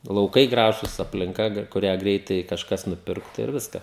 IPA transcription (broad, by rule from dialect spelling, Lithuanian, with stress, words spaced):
lˠɐʊˈkɐɪ ˈɡrɑːʒʊs ɐpʲlʲɪŋˈkɐ ˈɡrɐ kʊˈrʲæː ˈɡrʲɛɪtɐɪ kɐʃˈkɐs nʊˈpʲɪrktʊ ɪr ˈʋʲɪskɐ